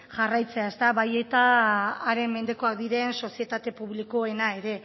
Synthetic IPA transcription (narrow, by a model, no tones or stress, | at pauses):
ʝarajt͡se̞ae̞st̪aβaje̞t̪aːɾe̞mme̞nd̪e̞ko̞ak̚d̪iɾe̞nso̞sie̞t̪at̪e̞puβ̞liko̞e̞nae̞ɾe̞